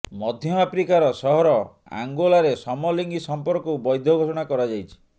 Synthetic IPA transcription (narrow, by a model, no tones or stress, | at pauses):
mɔd̪ʱjɔmapɾikaɾɔsɔɦɔɾɔ | a̰ŋɡolaɾesɔmɔliŋɡisɔmpɔɾkɔubɔjd̪ʱjɔɡʱosɔɽ̃akɔɾad͡ʒajt͡ʃʰi̥